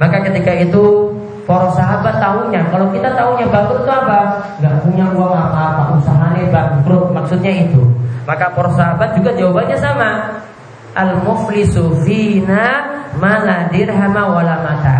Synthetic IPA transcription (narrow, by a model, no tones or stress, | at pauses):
makakət̪ikait̪u | poɾɔsaɦabat̪ːauɲakalowkit̪at̪auɲabaɡʊtk̪uapa | ŋɡaʔpuɲauaŋapapaʔusaɦanabaɡɾʊk̚maksʊt̪̚ɲait̪umakapɔɾɔsaɦabat̪̚d͡ʒuɡad͡ʒawabaɲasama | ʔalmʊflisufinamaladɪrɦamawalamat̪a